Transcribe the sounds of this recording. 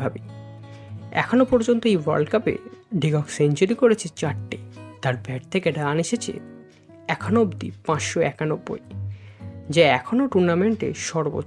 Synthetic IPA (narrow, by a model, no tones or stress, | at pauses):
abi | ɛ̰kʰonopɔɾd͡ʑont̪oejwa̰ɾɖkapḛɖiɡɔksent͡ɕoɾikoɾet͡ɕʰet͡ɕaʈːet̪aɾbɛʈ̚t̪ʰekeɖaneʃet͡ɕʰḛ | ɛkʰanobd̪ḭpãt͡ɕʃoɛkanobːo̰j | d͡ʑaɛkʰonoʈuɾnameɳʈḛʃɔɾbo̰